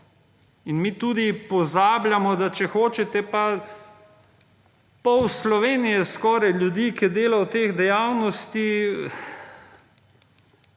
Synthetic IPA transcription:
inmiːt̪uːd̪ipɔzaːblʲjamɔd̪at͡ʃɛxoːt͡ʃɛt̪ɛpa | pɔwslɔʋeːnijɛskɔːɾajljud̪iːkid̪eːlawt̪eːɣd̪ɛjaːwnɔst̪i

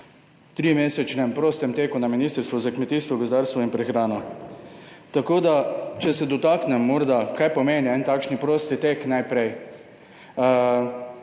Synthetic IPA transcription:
t̪ɾimeːsɛt͡ʃnɛmpɾoːst̪ɛmt̪eːkunaminiːst̪əɾst̪ʋɔzakmɛt̪iːst̪ʋɔɡɔzd̪aːɾst̪ʋɔinpɾɛxɾaːnɔ | t̪akoːd̪at͡ʃɛsɛd̪ɔt̪aknɛmːɔɾd̪akajpɔmeːniɛnt̪aːkʃnipɾoːst̪it̪eknajpɾɛj

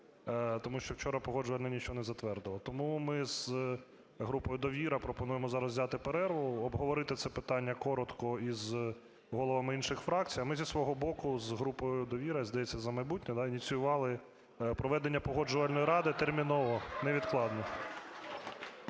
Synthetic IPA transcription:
t̪ɔmuʃt͡ʃɔwt͡ʃɔɾɐpɔɦɔd͡ʒʊʋɐlʲnɐnʲit͡ʃɔɔnɛzɐt̪ʋɛrd̪ɪlˠɔt̪ɔmumɪz̥ | ɦɾupɔjʊd̪ɔʋʲiɾɐpɾɔpɔnujemɔzɑɾɐzzʲɑt̪ɪpeɾɛrʋɔʊɔbɦɔʋɔɾɪt̪ɪt̪sɛpɪt̪ɑnʲːɐkɔɾɔt̪kɔiz | ɦɔlˠɔʋɐmɪinʃɪxfɾɑkt͡sʲijɐmɪzʲisʋɔɦɔbɔkʊzɦɾupɔjjʊd̪ɔʋʲiɾɐzd̪ɐjet͡sʲːɐzɐmɐjbutʲnʲɛd̪ɑinʲit͡sʲijʊʋɑlˠɪ | pɾɔʋɛd̪enʲːɐpɔɦɔd͡ʒʊʋɐlʲnɔjiɾɑd̪ɪt̪ermʲinɔʋɔnɛʋʲid̪klˠɑd̪nɔ

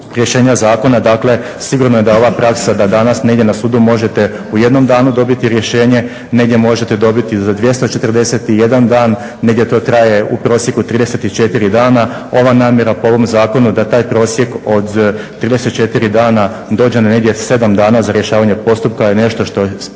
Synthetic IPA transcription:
ɾje̞ʃe̞ːɲazaːko̞nad̪akle̞ | siɡuɾnoje̞d̪ao̞ʋapɾaksad̪ad̪anasne̞id̪je̞nasuːd̪umo̞ʒet̪e̞ | uje̞d̪no̞md̪aːnud̪o̞bit̪iɾje̞ʃe̞ːɲe̞ | ne̞ɡd̪ʲje̞mo̞ʒet̪e̞d̪o̞bit̪izad̪ʋje̞st̪ot͡ʃe̞t̪ərd̪e̞set̪ije̞d̪and̪aːnː | e̞ɡd̪ʲjet̪o̞ːt̪ɾaje̞upɾo̞ːsje̞kut̪ɾiːd̪ese̞t̪it͡ʃe̞t̪iɾid̪aːna | o̞ʋanaːmje̞ɾapoo̞ʋo̞mzaːko̞nud̪at̪aːjpɾo̞ːsje̞ko̞d̪t̪ːɾiːd̪e̞set̪̚t͡ʃe̞t̪iɾid̪aːna | d̪o̞ːd͡ʑenneɡd̪ʲjese̞d̪amd̪aːnazaɾje̞ʃaːʋaɲe̞po̞st̪up̚kajene̞ʃt̪o̞ʃt̪o̞

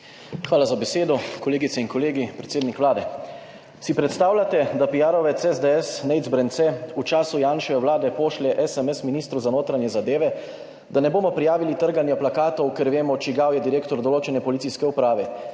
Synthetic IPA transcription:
xʋaːlazabɛseːd̪ɔkɔleːɡit̪sɛinkɔleːɡipɾɛt̪seːd̪nikʋlaːd̪ɛ | sipɾɛt̪st̪aːwlʲjat̪ɛd̪apijaːɾɔʋɛt̪sɛzd̪eɛsnɛizbɾɛnt̪sɛut͡ʃaːsujaːnʃɛʋɛwlaːd̪ɛpoːʃlɛʔɛsɛmɛsminiːst̪ɾuzanoːt̪ɾanjɛzad̪eːʋɛ | d̪anɛboːmɔpɾijaːʋilit̪əɾɡanjɔplakaːt̪ɔwkɛɾʋeːmɔt͡ʃiɡawjɛd̪iɾeːkt̪ɔɾd̪ɔloːt͡ʃɛnɛpɔlit̪siskɛupɾaːʋɛ

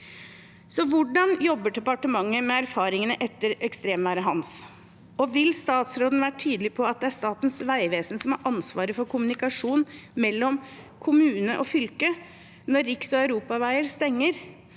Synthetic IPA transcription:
sɔʋʊɖɑnjɔbːəɖɛpɑʈəmɑŋːəmɛæɾfɑːɾɪŋənəʔɛt̪ːəɾɛkst̪ɾeːmʋæːɾəɦɑns | ɔʋɪlst̪ɑːt̪sɾoːd̪n̩ʋæːɾəʈʰyːd̪əlɪpʰɔɑt̪̚d̪ɛæʂt̪ɑːt̪ənsʋæɪʋeːsn̩sɔmɑɾʔɑnsʋɑːɾəfɔɾkʰʊmʉnɪkɑʂuːnmɛlːɔm | kʰʊmʉːnəʔɔfʏlkə | nɔɾːɪksɔœʉɾuːpɑʋæɪəɾst̪ɛŋːəɾ

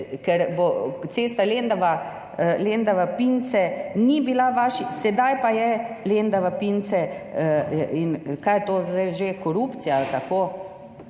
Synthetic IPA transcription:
kɛɾbot̪seːst̪alend̪aʋa | lend̪aʋapint̪sɛnibilaʋaːʃisɛd̪ajpajɛlend̪aʋapint̪sɛ | inkajɛt̪oːzd̪ajʒekɔɾupt̪sijalt̪akoː

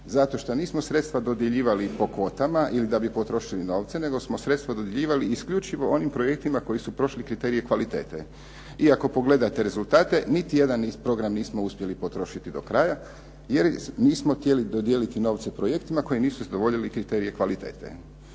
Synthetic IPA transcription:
zat̪o̞ʃt̪oniːsmo̞sɾe̞t̪st̪ʋad̪o̞d̪jeʎiːʋalipo̞kʋo̞t̪amaʔilid̪abipo̞t̪ɾo̞ʃilino̞ːʋt̪sene̞ɡo̞smo̞sɾe̞t̪st̪ʋad̪od̪jeʎiːʋaliːskʎut͡ʃiʋo̞ʔo̞nimpɾo̞jek̚t̪imako̞jisupɾo̞ʃlikɾit̪eːɾijekʋalit̪e̞̰ːt̪ḛ | iako̞po̞ɡle̞d̪at̪e̞ɾe̞zult̪aːt̪e̞nit̪ije̞d̪anpɾo̞ɡɾamniːsmo̞uspje̞lipo̞t̪ɾo̞ʃit̪id̪o̞kɾaːja | je̞ɾniːsmoxt̪je̞lid̪od̪jelit̪ino̞ːʋt̪sepɾo̞jekt̪imako̞jiniːsuzad̪o̞ʋo̞ʎilikɾit̪e̞ɾie̞kʋalit̪eːt̪ḛ

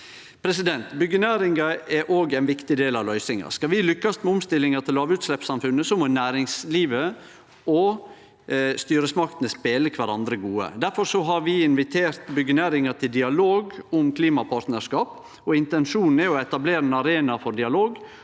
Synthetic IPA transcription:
pʰɾɛs̬ɪd̪ɛnt̪bʏɡənæːɾɪŋɡɑɛɾʔoːɡɛɪnʋɪkt̪ɪd̪eːlɑʋlœʏsɪŋɑ̰skɑʋɪlʏkːɑst̪mɛɔmst̪ɪlːɪŋɑt̪ʰɪlːɑːʋʉːt̪slɛpsɑmfʉnːəsɔmɔnæːɾɪŋsliːʋə | ɔ | st̪yːɾəsmɑkt̪ənəspeːləkʰʋæɾɑnd̪ɾəɡuːə̰d̪æɾfɔɾʂɔɦɑɾʋɪɪnʋɪt̪ʰeːɾt̪bʏɡənæːɾɪŋɑt̪ʰɪld̪ɪɑloːɡʊmkʰliːmɑpʰɑɾt̪nəʂkɑːp | ɔɪnt̪ɛnʂuːnn̩ɛɔɛt̪ɑbleːɾənɑɾeːnɑfɔɾɖɪɑloːɡ

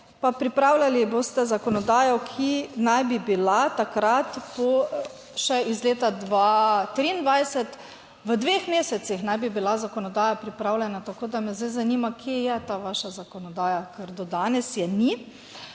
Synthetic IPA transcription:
papɾipɾaːwlʲaliboːst̪ɛzakɔnɔd̪aːjɔkʰinajbibilat̪akɾat̪pɔ | ʃɛizleːt̪ad̪ʋat̪ɾiːnd̪ʋajsɛt̪ | ʋəd̪ʋexmeːsɛsixnajbibilazakɔnɔd̪aːjapɾipɾaːwlʲɛnat̪akoːd̪amɛzd̪ajzaniːmakʰjejɛt̪aʋaːʃazakɔnɔd̪aːjakəɾd̪ɔd̪aːnɛsjɛni

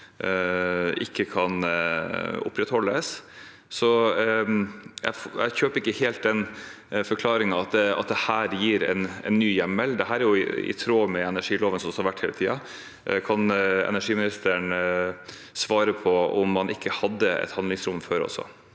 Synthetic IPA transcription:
ɪkːəkʰɑn | ʊ̰pːɾɛt̪hɔlːəs | sɔ | jæ̰fjæ̰ɪçøːpɾɪkːəheːlt̪̚d̪ɛn | fɔɾkʰlɑːɾɪŋɑɑt̪̚d̪ɛɑ̰t̪̚d̪ɛhæːɾjiːɾɛ̰nɛ̰nːyːjɛmːəld̪ɛɦæːɾæɾjʊɪɪ̰t̪ʰɾoːmɛɛnæʂiːloːʋənsɔmshɑɾʋæʈːheːlət̪ʰiːɑ | kʰɑnɛ̰næʂiːmɪnɪst̪əɳ | sʋɑːɾəpʰɔʊmːɑnʔɪkʰːəhɑd̪ːəɛ̰t̪hɑnd̪lɪŋsɾʊmføɾɔ̰sɔ̰

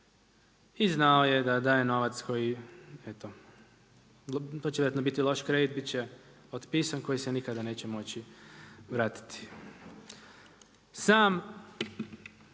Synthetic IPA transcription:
iznaoje̞d̪ad̪ajeno̞ʋat̪sko̞jiet̪o | t̪ot͡ɕejat̪nobit̪ilo̞ʃkɾed̪it̪̚bitt͡ɕe | ot̪piːsanko̞jisenikad̪ane̞ːt͡ɕemo̞t͡ɕiʋɾaːt̪i̥t̪i̥ | saːm

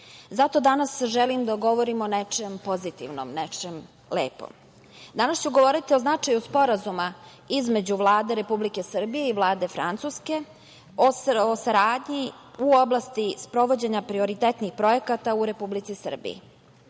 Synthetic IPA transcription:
zat̪o̞d̪anasʒelimd̪aɡo̞ʋo̞ɾimonet͡ʃempo̞zit̪ḭʋno̰mnet͡ʃem | lḛːpo̰m | d̪anast͡ɕuɡo̞ʋo̞ɾit̪io̞znat͡ʃajuspo̞ɾazuma | izme̞d͡ʑuʋlˠaːd̪e̞ɾe̞publike̞sr̩bije̞iʋlˠaːd̪e̞fɾa̰nt̪suske̞ | oosaɾaːd̪ɲi | uo̞blˠast̪ispɾo̞ʋo̞d͡ʑe̞ɲapɾio̞ɾit̪et̪nixpɾo̞je̞kat̪auɾe̞publit̪sisr̩bḭḭ

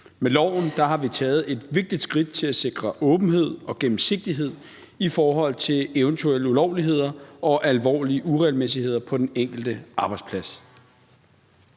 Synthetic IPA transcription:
melɒʊ̰n̩d̥ɑ̈ɦɑ̈ʋit͡sʰɛːð̩ˠe̝d̥ʋe̝ɡ̥̚d̥id̥sɡ̥ʁid̥̚t͡sʰe̝læse̝ɡ̥ʁɐʔɔ̽ːb̥n̩ɦe̝ð̰ˠɒ̽ɡ̥em̩se̝ɡ̥̚d̥iɦe̝ð̞̰ˠ | ifɒːɦɒ̽l̰t͡sʰe̝leʊənt͡sʰuel̰əulɒʊliɦe̝ð̞̰ˠɐɒ̽ʔælʋɒ̰ːliəʔuʁɛlmes̬ihe̝ð̞̰ˠɐpʰɒ̽d̥eneŋ̰ɡ̥l̩d̥əʔɑ̈ːb̥ɑ̈ɪ̥spʰlæs

